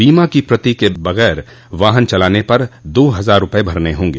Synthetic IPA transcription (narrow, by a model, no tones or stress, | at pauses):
biːmakipɾɐt̪ikebɐɣɛːɾ | ʋaːɦənt͡ʃɐlaːnepɐɾd̪oːɦɐzaːɾːʊpəebʱɐɾneɦõːŋɡeː